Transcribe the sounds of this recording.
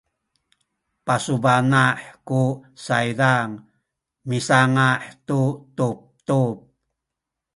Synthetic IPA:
pasubanaħkusaidaŋ | misaŋaħt̪ut̪up̚t̪up̚

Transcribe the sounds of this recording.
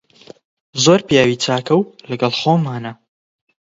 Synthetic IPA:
zoɾpjaːwiːt͡saːkɐwlɐɡɐlˠχoːmːaːnɐ

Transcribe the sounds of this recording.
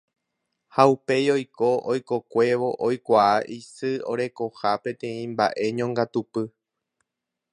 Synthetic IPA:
haupe̞jo̞jkoʔojko̞kʷe̞ʋo̞ʔojkʷaaʔisɨo̞̰ɾe̞ko̞hapẽ̞t̪ẽ̞ĩmba̰ʔe̞ɲõŋɡat̪upɨ

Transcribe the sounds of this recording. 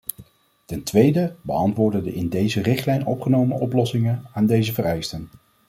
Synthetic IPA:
tɛntʋejdəbəɑntʋʊːɹdədəʔɪndejzərɪχtlɛjnɔ̰pχənowmə̰ʔɔplɔsɪŋənaːndejzəvərɛjstən

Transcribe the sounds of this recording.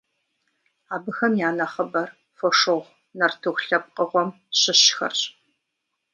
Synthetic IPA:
aːbɨxɐmjaːnɐχɐbɐr | foʂɨʁʁʷ | nɐrtʰɨxʷɬɐp̚qʼəʁʷɔm | ɕɪɕxɐ̰r

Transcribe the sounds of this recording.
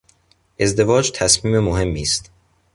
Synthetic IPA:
ʔe̞zd̪e̞vɒːd͡ʒt̪ʰæsmiːmemoɦe̞mːiːst̪

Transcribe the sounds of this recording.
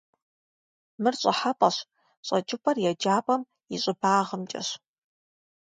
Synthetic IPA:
mɨrɕʼɐħapʼɐɕ | ɕʼɐt͡ʃʼɪpʰɐrjɛd͡ʒaːpʼɐm | iɕʼɪbaːʁəmt͡ʃʼɐ̰ɕ

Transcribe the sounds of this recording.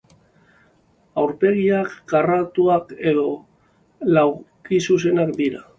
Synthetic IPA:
awɾpe̞ɣ̞iakːarat̪uake̞ðo̞ | law | kisus̬e̞nakd̪iɾa

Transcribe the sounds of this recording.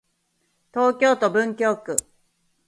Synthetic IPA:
t̪o̞ːkʲo̞ːt̪obɯ̟̃ŋkʲo̞ːkɯ̟

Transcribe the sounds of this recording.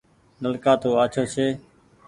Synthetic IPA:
nəlkaːt̪oːaːt͡ʃʰoːt͡ʃʰeː

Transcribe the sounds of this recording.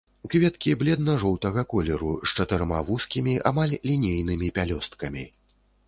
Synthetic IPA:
kvʲɛt̪kʲiblʲɛd̪nɐʐɔwt̪ɐɣɐkɔlʲɛɾust͡ʂɐt̪ɨɾma̰vuskʲimʲiʔa̰malʲlʲinʲejn̪ɨmʲipʲalʲɔst̪kɐmʲi

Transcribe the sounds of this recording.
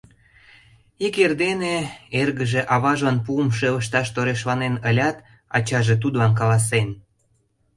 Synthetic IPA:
ikerd̪eneerɣəʒeʔɑβɑʒənpuəmʃeləʃt̪ɑʃt̪oɾeʃlɑnenəlʲɑt̪ | ɑ̰t͡ɕɑʒet̪ud̪lɑnk̬ɑlɑs̬en

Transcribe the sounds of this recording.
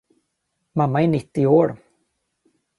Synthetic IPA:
mamːaɛɳɪt̪ːɪoːɾ

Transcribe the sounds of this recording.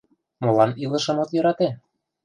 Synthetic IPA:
molɑnilɤ̆ʃɤ̆mot̪jɤ̆ɾɑt̪e

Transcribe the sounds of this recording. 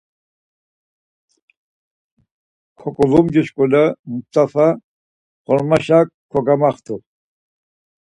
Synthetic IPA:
kʰɔkʼɔlumd͡ʒɛʃkʼɔlamut̪afa | χɔɾmaʃakkʰːɔɡamaχt̪ʰu

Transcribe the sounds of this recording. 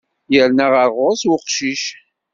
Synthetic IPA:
jəɾnæʁəʁʊswʊqʃiʃ

